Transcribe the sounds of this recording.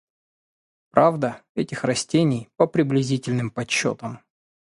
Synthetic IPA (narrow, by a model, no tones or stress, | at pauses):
pɾʔavd̪əɛtʲɪxrɐsʲtʲenʲɪjpəpɾʲɪblʲɪzʲitʲɪlʲnɨmpɐt͡ɕːo̰t̪əm